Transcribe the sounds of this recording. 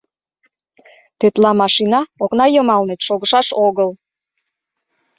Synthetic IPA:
t̪et̪lɑmɑʃinɑoknɑjəmɑlnet̪ʃoɣəʃɑʃoɣəl

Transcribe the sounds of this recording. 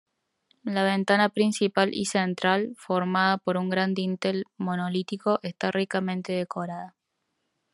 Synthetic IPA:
laβ̞ent̪anapɾinsipalʔḭsent̪ɾalfo̞ɾmaðapo̞ɾuŋɡɾand̪int̪elmonolit̪ikoʔest̪arʔikamẽ̞nt̪eðekoɾaða

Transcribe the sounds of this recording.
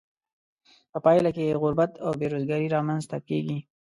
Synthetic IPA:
pəpɑjlakeeɣʊɾbat̪ʰawbeɾozɡɑɾiɾɑmanzt̪akeɡi

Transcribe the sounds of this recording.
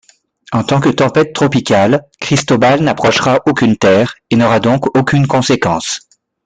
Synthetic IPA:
ɑ̃t̪ɑ̃kət̪ɑ̃pɛt̪ːχɔpikʲalkχist̪ɔbalnapχɔʃʁaʔokʲynt̪ɛːʁenɔʁad̪ɔ̃kokʲynkɔ̃sekɑ̃s

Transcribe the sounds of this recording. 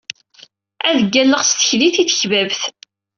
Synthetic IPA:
æðəɡːælːəʁst̪ə̥çliθiθə̥çvævθ

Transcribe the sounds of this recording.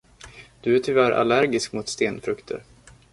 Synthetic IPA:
d̪̥ɵæʈʰʏvæɾʔa̰læɾɡɪskmʊt̪st̪eːnfɾɵkt̪ʰə̰ɾ

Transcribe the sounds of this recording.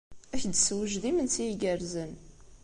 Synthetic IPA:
æçd̪swəʒðimənt͡sijiɡəɾzən

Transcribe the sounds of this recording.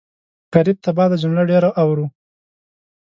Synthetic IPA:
kaɾɪb̚t̪abɑd̪ad͡ʒʊmlaɖeɾaʔawɾu

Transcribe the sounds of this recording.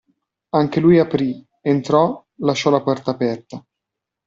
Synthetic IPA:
aŋk̟elujapɾi | ent̪ɾɔ | laʃːɔlapɔrt̪aːpɛrt̪a

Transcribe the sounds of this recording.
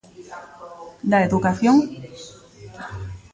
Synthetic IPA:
d̪aeðukaθjoŋ

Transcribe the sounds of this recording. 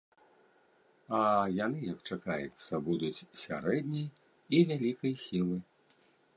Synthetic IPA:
ɐjanɨjɐkt͡ʂakajɛt̪sːɐbud̪ut͡sʲsʲa̰ɾɛd̪ʲnʲɐj | ivʲalʲikɐjsʲilˠɨ

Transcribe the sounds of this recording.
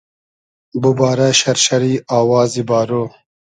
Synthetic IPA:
bubɑːɾaʃɐɾʃɐɾiːaːwɑːzibɑːɾo

